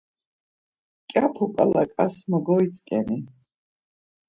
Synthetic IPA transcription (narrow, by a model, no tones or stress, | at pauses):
kʼapʰukʼalakʼasməɡɔit̪t͡sʼkʼɛni